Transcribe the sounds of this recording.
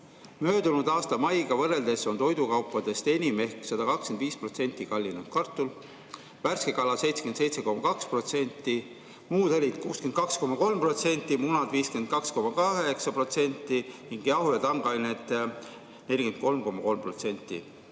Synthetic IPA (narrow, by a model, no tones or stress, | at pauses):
mø̞ːd̪unud̪̥ɑːst̪ɑmɑjɡ̥ɑvɤre̞ld̪e̞so̞nt̪o̞jd̪ukɑwpːˑɑd̪̥e̞st̪e̞nʲime̞hksɑd̪̥ɑkɑkskend̪viːspro̞t̪se̞nʲt̪ːˑikɑlʲːinu̥kɑrt̪ːˑul | værske̞kɑlɑse̞jt̪sekyense̞jt̪se̞ko̞mːɑkɑkspro̞t̪se̞nʲt̪ːˑi | muːd̪elʲit̪kuːskenkɑksko̞mːɑko̞lmpro̞t̪se̞nʲt̪ːˑimunɑd̪viːskyend̪̚kɑksko̞mɑkɑɦeksɑpro̞t̪se̞nʲt̪ˑːiniŋɡ̥jɑhujɑt̪ɑŋɡ̥ɑjnet̪ːˑ | ne̞lʲiɡ̥enko̞lmko̞mːɑko̞lmprot̪se̞nʲt̪ˑːḭ